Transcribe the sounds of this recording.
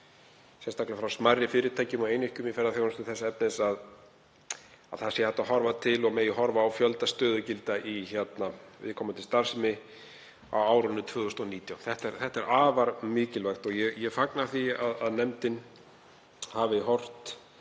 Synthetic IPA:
sɛnst̪aklɪfɾawsmarːɪfɪːɾɪt̪ʰaːjcʏmawejnɪhcʏmifɛɾðaθjownʏst̪ʏθɛsːɛp̚nɪðsað | aðθḁsjɛhawt̪aɦɔɾvat̪ʰɪlɔɣmɛðjɪɦɔɾvaːwfjœlt̪ast̪œːðʏcɪlt̪aʔiçɛt̪navɪ̰ðkʰɔːmat̪ɪlst̪aɾ̥sɪmɪ | a̰waːwɾʏnːʏt̪ʰvœːɣʏst̪ɔniːt̪jawmθɛht̪ɛɾθɛht̪ɛɾʔaːvaɾmɪːcɪlvajxt̪ɔɣjɛjɛfaknḁθiaðaðnɛmt̪ɪn | havɪɦɔr̥t̪

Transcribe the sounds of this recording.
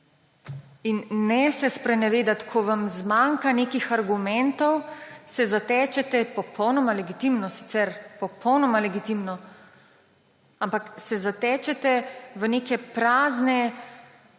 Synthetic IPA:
inːɛsɛspɾɛnɛʋeːd̪at̪kʰɔʋamzmaŋkaneːkixaɾɡumɛnt̪ɔwsɛzat̪ɛːt͡ʃɛt̪ɛpɔpʰɔwnɔmalɛɡit̪imnɔsi̥t̪sɛɾpɔpʰɔwnɔmalɛɡit̪imnɔ | ampaksɛzat̪ɛːt͡ʃɛt̪ɛʋəneːkɛpɾaːznɛ

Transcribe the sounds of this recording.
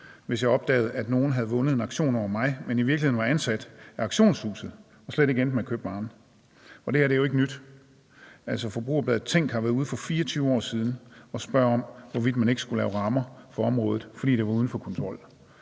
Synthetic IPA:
ʋe̝sjɑ̈ɪɒ̽b̥̚d̥ɛ̰ːð̞̩ˠæd̥no̝ːn̩ɦæð̩ˠʋɔ̽nəð̞̩ˠe̝nɑ̈ɡ̥ɕo̝̰ːnɒʊɐmɑ̈ɪmeniʋiɐɡlihe̝ðnʋɑ̈ænsæd̥æɑ̈ɡ̥ɕo̝̰ːnshṵːsð̩ˠ | ɒ̽sleɾ̥e̝ɡ̥end̥mekʰø̰ːb̥b̥ɑ̈ːn̩ | ɒ̽d̥e̝æɐɾe̝jo̝e̝ɡ̥ənyd̥ | æl̰sɒ̽fɒ̽b̥ʁṵːɐb̥lɛð̩ˠt͡sʰeŋ̰ɡ̥hɑ̈ʋæɐðˠuðˠfɒ̽fiːɐt͡sʰyːʊɒ̰ːsiːð̞ˠn̩ɒ̽sb̥ɶɐ̰ɒ̽m̰ʋɒʋid̥mæne̝ɡ̥əsɡ̥ulɛːʊʁɑ̈mɐfɒ̽ɒ̽mʁɔ̽ːð̞̩ˠfɒ̽d̥ḭːd̥e̝ʋɑ̈uð̞ˠn̩fɒ̽kʰɔ̽nt͡sʰʁɒ̽l̰

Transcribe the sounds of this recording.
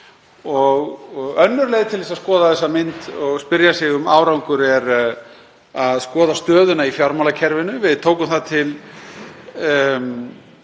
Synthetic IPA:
ɔɣɣœnːʏɾleːjðɪt̪ʰɪlvɛsaskɔːðaðθɛsːamɪnt̪ɔɣspɪɾjasɪɣʏmaːwɾawŋkʏɾɛɾ | aðskɔːðast̪œːðʏnaifjaɾmawlacʰɛɾvɪnʏvɪðt̪ʰoːwkʏmθaðt̪ʰɪl

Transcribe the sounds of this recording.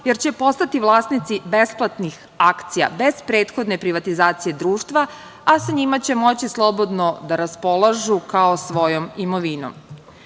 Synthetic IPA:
jeɾt͡ɕe̞po̞st̪at̪iʋlˠaːsnit̪sibe̞splˠat̪nix | akt̪sija̰be̞zpɾeːt̪xo̞d̪ne̞pɾiʋat̪izaːt̪sije̞d̪ɾuːʃt̪ʋa | asaɲimat͡ɕe̞mo̞t͡ɕislˠo̞bo̞d̪no̞d̪aɾaspo̞lˠaʒukaosʋo̞jomimoʋino̰m

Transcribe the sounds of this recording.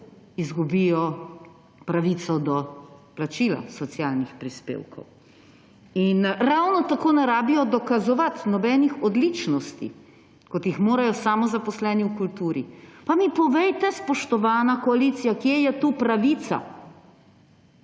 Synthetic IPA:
izɡubijɔ | pɾaʋiːt̪sɔd̪ɔplat͡ʃiːla̰sɔt̪sjaːlnixpɾispḛːwkʰɔ̰w | inɾawnɔt̪akoːnaɾaːbijɔd̪ɔkazɔʋat̪nɔbɛnixɔd̪lit͡ʃnɔst̪ḭ | kɔt̪jixmoːɾajɔsaːmɔzapɔslɛːniwkult̪uːɾipamipɔʋɛjt̪ɛspɔʃt̪ɔʋaːnakɔaliːt̪sijakjejɛt̪upɾaʋiːt̪sa̰

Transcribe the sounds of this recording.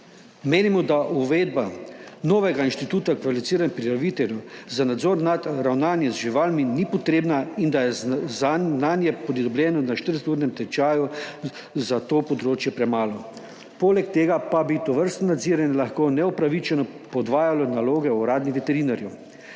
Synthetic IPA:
meːnimɔd̪aʔuʋeːd̪̚banoːʋɛɡainʃt̪it̪uːt̪akʋalifit̪siːɾanpɾiɾaʋit̪ɛljuzanad̪zɔɾnat̪ɾawnaːnjɛzʒiʋaːlminipɔt̪ɾeːbnaind̪ajɛzananjɛpɔd̪id̪ɔbljɛːnɔnaʃt̪əɾset̪uɾnɛmt̪ɛt͡ʃaːju | zat̪oːpɔd̪ɾoːt͡ʃjɛpɾɛmaːlɔ | poːlɛkt̪eːɡapabit̪ɔʋəɾst̪nɔnad̪ziɾanʲɛlaxkoːnɛupɾaʋit͡ʃɛnɔpɔd̪ʋaːjalɔnaloːɡɛɔɾaːd̪niʋɛt̪ɛɾiːnaɾju

